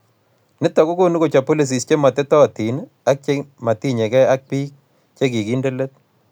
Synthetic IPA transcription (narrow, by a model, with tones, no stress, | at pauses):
nɪ˦ta˨ko˦ko˦nu˦ko˨t͡ʃa˨po˦li˨s̬i˨st͡ʃe˦ma˨te˦tɔ˦˨ti˨n | a˦k̚t͡ʃe˦ma˨ti˦ɲɛ˨kɛ˦a˦k̚pi˦k̚ | t͡ʃe˦ki˨ki˦nde˦le˦t̚